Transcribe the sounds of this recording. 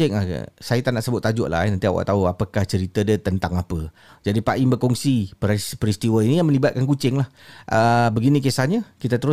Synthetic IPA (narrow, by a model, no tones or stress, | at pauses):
ɪŋa̰sajat̪anaʔsəbʊt̪ːad͡ʒʊʔla̰nənt̪iawa̰ʔt̪auapəkaht͡ʃəɾit̪ədət̪ənt̪aŋapə | d͡ʒadipaʔiŋbəkɔŋsipɾspəɾist̪iwəinijaŋmə̃libat̪̚kankut͡ʃɪŋlahʔəbəɡinikesaɲə̃kit̪at̪əɾʊ